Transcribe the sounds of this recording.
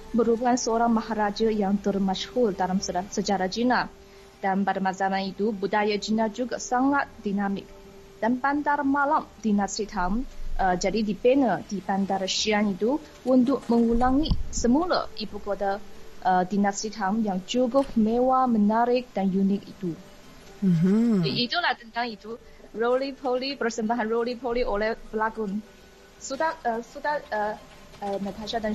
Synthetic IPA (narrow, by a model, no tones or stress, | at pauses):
bəɾubaŋansəoɾaŋmaɦaɾad͡ʒajaŋt̪ərmaʃhʊldaɾamssət͡ʃaɾad͡ʒina | d̥anpadamatamanit̪ubudajad͡ʒinad͡ʒuɡasaŋat̪̚dinamɪ̰k̚ | d̥anpant̪armalamdinastit̪ɦamʔəd͡ʒadidipenədipant̪aɾəʃianit̪u | unt̪ʊk̚məŋulaŋisəmulə̰ibukot̪aʔədinastit̪̚ɦamjaŋd͡ʒuɡʊk̚mewamənaɾɪk̚danjunɪk̚it̪u | it̪ulaht̪ənt̪aŋit̪u | rolipʰolipərsəmbaɦanrolipʰoliolɛhpəlaɡʊn | sut̪aəsut̪aə | ənət̪ʰaʃadan